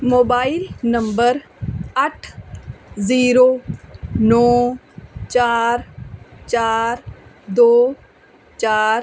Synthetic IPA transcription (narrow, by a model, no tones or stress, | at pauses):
moːbaːɪlnɐmbəɾ | ɐʈʰ | ziːɾoːnɔː | t͡ʃaːɾt͡ʃaːɾ | d̪oː | t͡ʃaːɾ